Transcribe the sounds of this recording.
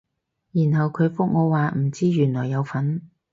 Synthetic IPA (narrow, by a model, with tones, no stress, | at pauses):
jiː˨˩nhɐ˨wkʰɵ˨˧ɥfʊ˥k̚ŋɔː˨˧waː˨m̩˨˩t͡siː˥jyː˨˩nlɔː˨˩jːɐ˨˧wfɐ˨˥n